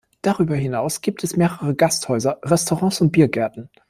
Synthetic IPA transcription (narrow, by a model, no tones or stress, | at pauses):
d̥aʁyːbɐɦɪnaʊsɡ̥iːp̚tʰɛsmeːʁəʁəɡasthɔʏzɐʁɛstoʁɑ̃ːsʊnt̚b̥iːɐɡɛɐtn̩